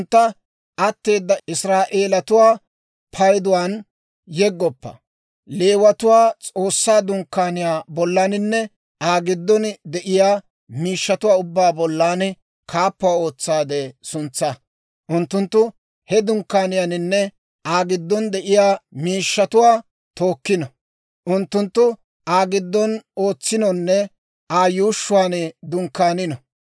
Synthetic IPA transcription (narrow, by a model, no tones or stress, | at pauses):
nt̪ːɐ | ʔɐt̪ːe̞ːd̪ːɐɪsɾaːʔeːlɐt̪ʊwaː | pʰɐjd̪ʊwaːn | jɛɡːɔpːɐ̰ | leːwɐt̪ʊwaːt͡sʼoːsːaːd̪ʊŋkːaːnɪjaːbɔlːaːnɪnːɛ | aːɡɪd̪ːɔnd̪ɛʔɪjaː | miːʃːɐt̪ʊwaːʊbːaːbɔlːaːn | kʰaːpːʊwaːo̞ːt͡sːaːd̪ɛsʊnt͡sːa | ʔʊnt̪ːʊnt̪ːʊ | hɛd̪ʊŋkːaːnɪjaːnɪnːɛ | ʔaːɡɪd̪ːɔnd̪ɛʔɪjaːmiːʃːɐt̪ʊwaː | t̪o̞ːkːɪnɐ | ʔʊnt̪ːʊnt̪ːʊ | aːɡɪd̪ːɔno̞ːt͡sːɪnɔnːɛ | ʔaːjuːʃːʊwaːnɪd̪ʊŋkːaːnɪnɔ